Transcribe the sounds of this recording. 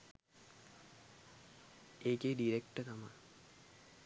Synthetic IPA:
eːkeɖiɾekʈət̪ama̰

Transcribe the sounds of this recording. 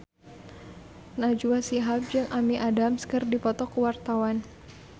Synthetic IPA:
nad͡ʒuasiɦap̚d͡ʒɨŋʔamiʔadamskɨrdipɔt̪ɔkəwart̪awan

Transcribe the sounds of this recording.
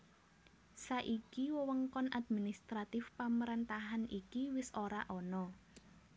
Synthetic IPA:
saʔikiwəwəŋkɔnʔad̪̚minist̪ɾat̪ɪfpaməɾant̪aɦanikiwɪsoɾaʔɔnɔ

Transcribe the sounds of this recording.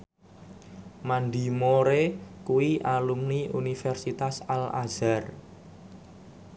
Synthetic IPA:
mand̪i̤moɾekuwiʔalumniunifɛrsit̪asala̰z̥ar

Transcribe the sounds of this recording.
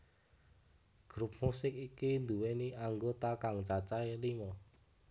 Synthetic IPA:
ɡ̥ɾup̚musɪkikind̪uweniʔaŋɡot̪akaŋt͡ʃat͡ʃaelimɔ

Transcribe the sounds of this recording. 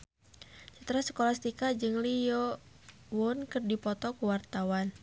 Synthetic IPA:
t͡ʃət̪əɾasə̥kolast̪ikad͡ʒɨŋlijɔ | wɔnkɨrdipɔt̪ɔkuwart̪awan

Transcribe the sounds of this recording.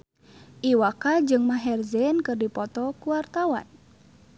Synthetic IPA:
ʔiwakad͡ʒɨŋmaɦɛrzɛnkɨrdipɔt̪ɔkuwart̪awa̰n

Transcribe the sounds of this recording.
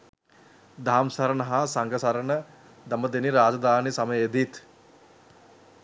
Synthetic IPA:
d̪aːmsɐɾənəɦasaŋɡəsaɾənə | d̪aməd̪eniɾaːd͡ʒɐd̪aːnisaməjed̪it̪

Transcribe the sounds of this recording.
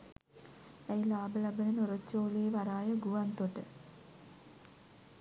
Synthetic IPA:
æjlaːbəlabənənoɾot͡ʃːoːleːʋaɾaːjəɡuʋant̪oʈə

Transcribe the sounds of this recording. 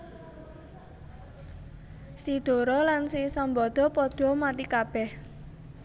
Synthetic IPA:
sid̪̥o̤ɾɔlansisɔmbɔd̪̥ɔ̤pɔd̪̥ɔmat̪ikab̥ɛh

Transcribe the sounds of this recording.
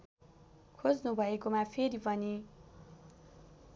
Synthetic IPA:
kʰod͡znubʱʌekomapʰeɾipʌni

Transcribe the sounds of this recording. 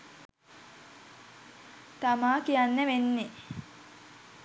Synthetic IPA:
t̪amaːkijanːəʋenːe

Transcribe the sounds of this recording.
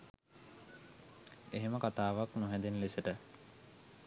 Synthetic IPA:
eɦeməkat̪aːʋaknuɦɛd̪enlesəʈə

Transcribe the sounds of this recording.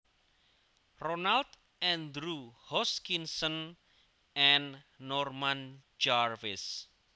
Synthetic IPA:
rɔnalt̪ | ɛ̃nd̪ɾuhɔskinsɔn | ɛnːɔrmand͡ʒarvɪs

